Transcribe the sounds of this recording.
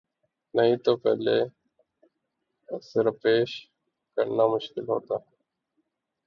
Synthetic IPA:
nəɦĩːt̪oːpɛ̰ːleː | sɪɾəpeːʃ | kəɽnaːmʊʃkɪlɦo̰ːt̪aː

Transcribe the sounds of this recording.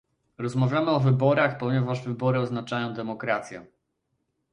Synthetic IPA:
ɾɔzmavʲjamɘɔvɘbɔɾaxpɔɲɛvaʐvɘbɔɾɘɔznat͡ʂajɔ̃w̃d̪ɛmɔkɾat̪sʲjɛ̰

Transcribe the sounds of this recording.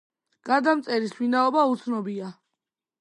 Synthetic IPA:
ɡ̥ad̪amt̪sʼɛɾiswinaɔbaut̪sʰnɔbia

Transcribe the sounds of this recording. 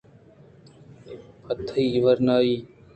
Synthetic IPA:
pət̪ʰəiːʋəɾnaːiː

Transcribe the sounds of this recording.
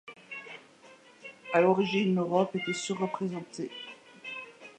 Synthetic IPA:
alɔʁiʒinøʁɔpet̪ɛsuʁːəpχezɑ̃t̪ʰe

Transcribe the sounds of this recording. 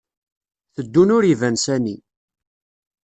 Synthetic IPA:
θəd̪ːunʊɾivænsæni

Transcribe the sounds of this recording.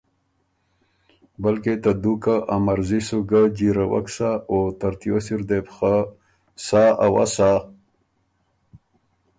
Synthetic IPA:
bəlket̪ad̪ukaʔamaɾzisuɡad͡ʑiɾawa̰ksaot̪aɾt̪josiɾd̪epxa | saawa̰sa

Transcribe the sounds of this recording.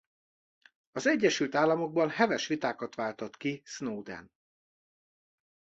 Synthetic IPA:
ɒzɛɟːɛʃylt̪aːlːɒmo̞ɡ̚bɒnhɛvɛʃʋit̪aːkɒt̪ʋaːlt̪ot̪kisnoːd̪ɛ̰n

